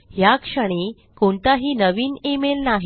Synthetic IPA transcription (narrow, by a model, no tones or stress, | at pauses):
ɦjakʂəɽ̃e | koɳt̪aɦiːnəʋiːnemelnaɦ